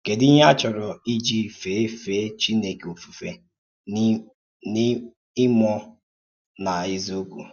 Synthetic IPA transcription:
ke˨di˦ɲ˦a˦t͡ʃʊ˨ɾʊ˨i˦d͡ʒi˦feː˨˦feː˨˦t͡ʃi˦ne˨ko˨fu˨fe˨˦ | ɪ˦mɔ˦ | na˨ɪ˦zo˦kʷṵ˨

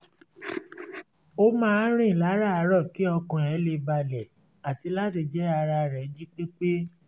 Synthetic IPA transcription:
o˦mãː˦˧˦ɾ̃ĩ˦˨la˨˦ɾa˦˨a˧ɾɔ˦˨ki˨˦ɔ˧kũ˨ɛ˨˦le˧ba˧lɛ˨ | a˨ti˧la˦ti˧d͡ʒɛ˦a˧ɾa˧ɾɛ˨˦d͡ʒi˦k͡pe˦k͡pe˦

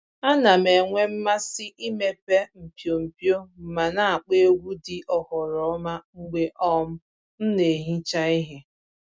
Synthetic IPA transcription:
a˦na˨me˨ŋʷe˦m̩˦ma˦sɪ˦ʔi˦me˦pe˦m̩˨pjo˨m̩˨pjo˦m̩˨ma˨na˨a˨k͡pe˦ɡʷu˦dɪ˨ʔɔ˨hʊ˨ɾɔ˨ɔ˦ma˦ŋ͡m̩˦ɡ͡be˦ʔɔ˦m̩˦ | n̩˦ne˨ɦi˦t͡ʃa˦i˦ɦe˦

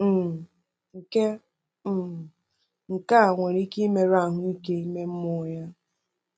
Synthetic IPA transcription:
m̩˦˨ | ŋ̩˨ke˦ | m̩˦˨ | ŋ̩˨ka˦˨ŋʷe˨ɾi˦ki˦me˨ɾa˦˨ɦʊ˦i˦ke˦i˦me˦m̩˦mʊ˦ja˦

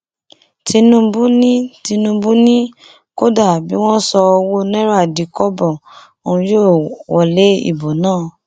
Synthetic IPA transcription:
ti˧nũ˦bu˦nĩ˦ti˧nũ˧˦bũ˦nĩ˦ | ko˦da˦˨bi˨˦w̃ɔ̃˦sɔ˧wo˦nɛ̃˦ɾa˦˨di˨˦kɔ˦bɔ˦˨ | o˨ũ˧˦jo˦˨wɔ˨le˨˦ḭ˦˨bo˨nãː˦˨

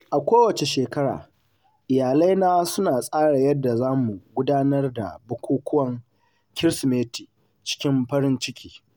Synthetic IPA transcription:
ʔa˨kʷoː˦wɐ˨t͡ʃe˨ʃeː˨kɐ˦ɽa̰ː˨ | ʔɪ˨jaː˨lɐ˦jnaː˦sʊ˦naː˨sʼaː˦ɽa˨jɐ˦dːa˨zaː˦mu˨ɡʷʊ˦daː˦nɐ˦rda̰˨bʊ˦kʷuː˦kʷʊ˦wɐ˨ŋ | kʲɪ˦ɾsmeː˦ti˨ | t͡ʃɪ̥˦kʲɪ˦mɸɐ˦ɾɪ˦nt͡ʃɪ˦kʲiː˦

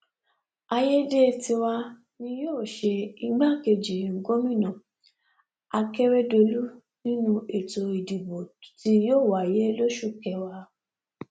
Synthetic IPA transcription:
a˧je˦de˦ti˧wa˧ | nĩ˧joː˦˨ʃe˧i˧ɡ͡ba˦ke˧d͡ʒi˨ŋ̩˨ɡo˦mĩ˦˨nɔ̃˨ | a˧kɛ˦ɾɛ˦do˧lu˦ | nĩ˦nũ˧e˨to˧i˨di˨bo˨ti˧joː˦˨wa˨je˦lo˦ʃu˦˨kɛ˧wa˧

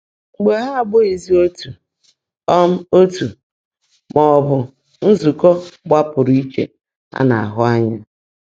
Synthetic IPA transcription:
ŋ͡m̩˨ɡ͡be˨ɦa˦˨ɡ͡bo˦i˨zi˦o˦tu˨ | ɔ˦m̩˦o˦tu˨ | mɔ˨bʊ˨ | n̩˦zu˨kɔ˦ɡ͡ba˦pʊ˨ɾi˦t͡ʃḛ˨ | a̰˦na̰˨a̰˨ɦʊ˦a˦ɲa˦

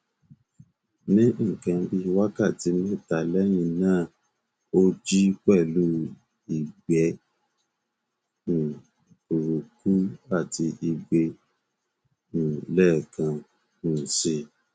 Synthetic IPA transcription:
nĩ˦ŋ̩˦˨kã˧bi˧wa˦ka˦˨ti˧ni˦˨ta˨˧lɛ˦jĩ˧nãː˦˨ | o˧d͡ʒi˦k͡pɛ˦˨lu˦ | i˨ɡ͡bɛ˨˦ | n̩˨ | u˨ɾu˨ku˦a˦˨ti˧ʔi˧ɡ͡be˧ | ñ̩˨lɛ˦˨kã˧ | n̩˨si˧˨

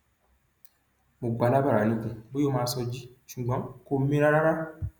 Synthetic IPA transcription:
mo˨ɡ͡ba˨˧la˦ba˦ɾa˨˦nĩ˨˦kũ˧bo˦o˦mãː˧˦sɔ˧d͡ʒi˦ʃu˨ɡ͡bɔ̃˨˦ko˧˦mĩ˦ɾa˦ɾa˦ɾa˦

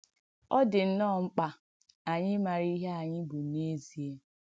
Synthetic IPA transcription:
ɔ˦dɪ˨n̩˦nɔ˦˨ŋ͡m̩˦k͡pa˨ | a˨ɲɪ˦ma˨ɾi˦ɦe˦a˨ɲɪ˦bʊ˨ne˦zi˨e˦

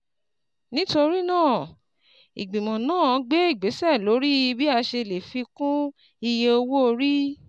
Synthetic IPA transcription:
nĩ˦to˧ɾi˦nãː˦˨ | i˨ɡ͡bĩ˨mɔ̃˨nãː˦˨˧ɡ͡be˦i˦˨ɡ͡be˨˦sɛ˦˨lo˨˦ɾi˦bi˦a˧ʃe˧le˨fi˧kũ˦ | i˧je˧o˧wo˦o˧ɾi˦

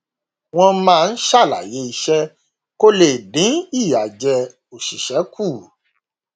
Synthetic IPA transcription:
w̃ɔ̃˧mãː˦˧n̩˦ʃa˦˨la̰˨je˨˦i˧ʃɛ˦ | ko˦le˦˨dĩ˨˦i˦˨ja˨d͡ʒɛ˧ | o˨ʃi˨ʃɛ˨˦kʰu˦˨

